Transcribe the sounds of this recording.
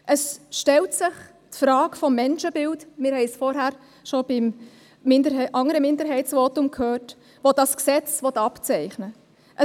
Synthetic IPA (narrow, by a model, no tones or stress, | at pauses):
ʔəsʃtɛltsɪχ | tfɾɑːkfɔmːɛnʃəbɪltmɪːɾhɛɪsfɔɾɦæːɾ | ʃɔb̥ɪmː | ɪndəɾʔɑŋəɾəmɪndəɾɦɛɪtsʋoːtʊmkʰhøːt | ʋod̥ɑsksɛt͡sʋɔtɑpt͡sɛɪχnə | ʔə